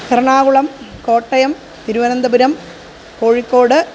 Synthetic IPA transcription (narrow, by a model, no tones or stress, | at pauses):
kɐɾɐɳaːkuɭɐmko̞ːʈːɐjɐm | t̪iɾuʋɐnɐnd̪ɐbuɾɐm | ko̞ːɻikːo̞ːɽɨ